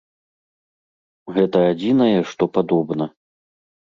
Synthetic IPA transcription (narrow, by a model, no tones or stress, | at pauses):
ɣɛt̪ɐad͡zʲinɐjɛʂt̪ɔpad̪ɔbnɐ